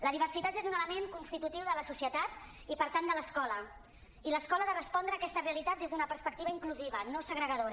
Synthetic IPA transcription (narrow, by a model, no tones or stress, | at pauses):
ləðiβərsit̪at̪ezunələmeŋkunst̪it̪ut̪iwðələsusiət̪at̪ | ipəɾt̪and̪ələskɔlə | iləskɔləðərəspɔnd̪ɾəːkɛst̪əreəlit̪at̪̚d̪ezðunəpəɾspək̚t̪iβəiŋkluziβənosəɣɾəɣəðoɾ